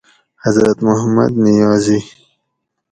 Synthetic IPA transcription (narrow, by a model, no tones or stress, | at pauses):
hazɾat̪mʊhama̰d̪nɪjɑːzi